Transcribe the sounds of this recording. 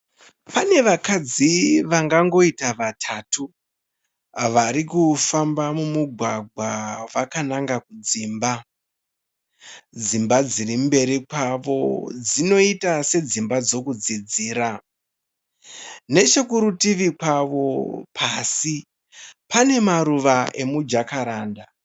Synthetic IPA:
pane̞ʋakad͡ziʋaŋɡaŋɡo̞itaʋatʰatu | ʋaɾikufambamumuɡʱwaɡʱwaʋakanaŋɡakud͡ziːmba | d͡zimbad͡zirimbe̞ɾikwaʋo̞̰d͡zino̞itase̞d͡zimbad͡zo̞kud͡zid͡ziːɾa | ne̞t͡ʃe̞kuɾutiʋikwaʋo̞pʰasi | pane̞maɾuʋaʔe̞mud͡ʒakaɾaːnda

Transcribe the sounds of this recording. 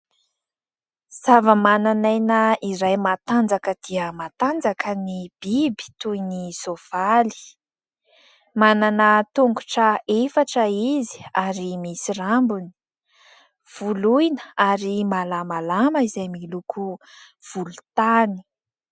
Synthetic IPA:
z̥avəmananajnəiɾajmat̪and͡zakəd̪̥iəmat̪and͡zakənib̥ibi̥t̪ujnizov̥ali̥ | mananət̪uŋɡuʈ͡ʂəefaʈ͡ʂəizi̥aɾimisirambuni̥ | v̥ulujnəaɾimalamalaməizajmilukʰu | v̥ulut̪ani̥

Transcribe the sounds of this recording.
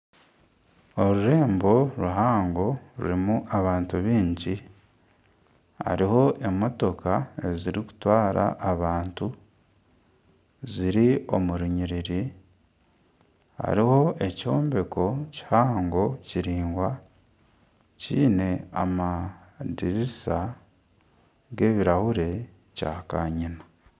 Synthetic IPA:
o̞ɾuɾe̞ːmbo̞ɾuɦaːŋɡo̞ɾṵɾimuʔaβaːntuβiːɲɟi | a̰ɾiho̞ʔe̞mo̞to̞kae̞ziɾiku̥twaːɾʔa̰ʔːβaːntu | ziɾio̞muɾiɲiɾiɾi | ha̰ɾiho̞e̞co̞ːmbe̞ko̞ci̥haːŋɡo̞ciɾiːŋɡwa | ciːne̞amadiɾisa | ɡe̞ːβiɾahuɾe̞ | ca̰ːkaɲinḁ

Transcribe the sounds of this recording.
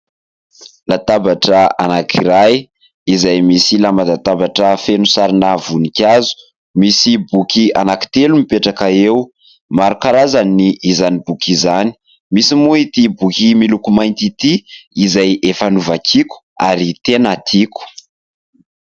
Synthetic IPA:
lat̪abaʈ͡ʂəanakʰiɾaj | izajmisilamad̪at̪abaʈ͡ʂəfenusaɾinavunikʲazu̥ | misibukʲia̰naki̥t̪elumipeʈ͡ʂakaew | maɾukaɾazaniʔːzanibukizani̥ | misimuit̪ibukʲimilukumajnt̪it̪iizajefanuvakʰiku̥aɾit̪enat̪ʰiku̥

